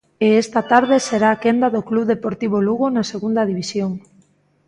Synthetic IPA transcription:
eest̪ɐt̪aɾð̞eseɾaːkend̪aðokluβðepoɾt̪iβ̞oluɣonaseɣund̪ɐðiβisjoŋ

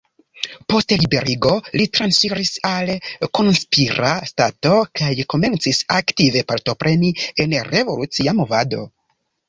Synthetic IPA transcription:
po̞stlibe̞ɾiɡo̞litɾansfiɾisalko̞nspiɾastato̞kajko̞me̞nt͡sisaktive̞paɾto̞pɾʔe̞nie̞nre̞vo̞lut͡siamo̞vado̞̰

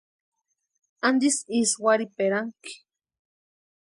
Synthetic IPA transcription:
and̪isiswaɾipeɾaŋki̥

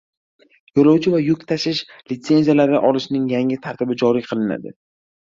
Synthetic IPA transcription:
jolawt͡ʃʰɪvajʊkʲt̪ʰaʃɪʃlɪt̪se̞nzijalaɾd̪aʔɒlɪʃnɪŋjaŋɪt̪ʰaɾt̪ɪbɪd͡ʒɒɾijqʰɨlɪna̰d̪ɪ̰

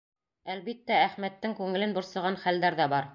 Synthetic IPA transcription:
ælβit̪ːææχmæt̪ːɘŋkʉŋɘ̆lɘnbŏɾsɤ̆ʁɑnχæld̪æɾðæbɑɾ

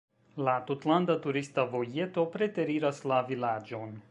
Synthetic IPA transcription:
lat̪ot̪land̪at̪uɾist̪avojɛt̪opɾet̪ɛɾiɾaslavilad͡ʒɔn

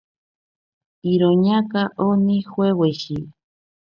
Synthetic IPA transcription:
iɾoɲakaʔonixweweʃi

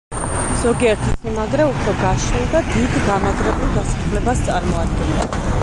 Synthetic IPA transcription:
z̥ɔɡiɛɾt̪ʰit̪sʼmimaɡɾɛupʰɾɔɡaʃilˠd̪ad̪id̪ɡamaɡɾɛbɛlˠɡ̪asḁχlɛbast̪sʼaɾmɔad̪̚ɡɛnɛ

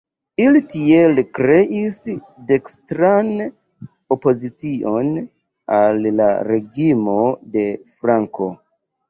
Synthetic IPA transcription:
ilitielkɾe̞ʔis | de̞kstɾan | o̞po̞zit͡sio̞n | alːa̰ɾe̞ɡimo̞de̞fɾaŋko̞

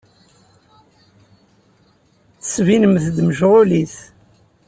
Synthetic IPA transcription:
θə̥svinəmθd̪məʒʁʊliθ

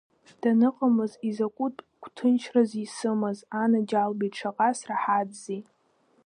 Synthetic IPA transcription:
d̥anɨqʼamɨzizakʷʼutʼ | kʷʰʼtʰɨnt͡ʃʰrazisɨmɨzanad͡ʒalbitʼʈ͡ʂʰaqʼasraħadzi

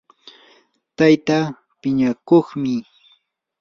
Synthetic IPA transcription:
t̪ajt̪a | pɪɲakoχmɪ

